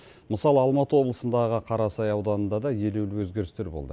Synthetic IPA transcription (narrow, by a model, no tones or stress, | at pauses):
məsɑlˠəɑlˠmɑt̪əwo̞blˠəsənd̪ɑʁəqʰɑɾɑsɑjɑwd̪ɑnənd̪ɑd̪ɑje̞lewlɪwɵzɡʲe̞ɾɪst̪e̞ɾbo̞lˠd̪ə̰